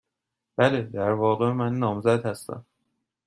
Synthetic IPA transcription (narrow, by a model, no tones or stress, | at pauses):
b̥æled̪æɾvɒːɣe̞mænːɒːmzæd̪hæst̪æ̰m